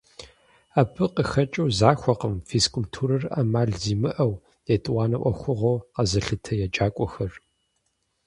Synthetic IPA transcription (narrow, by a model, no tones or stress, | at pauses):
aːpʰɨqəxɐt͡ʃʼɐwzaːxʷɔqəmfiskultʰuːɾɐrɐ̰maːɮziːmɨʔɐw | jɛtʼwʷɑːnɐʔʷɐ̰xʷʊʁowqɐzɐɬɨtʰɐjɛd͡ʒʼaːkʷʼɔxɐr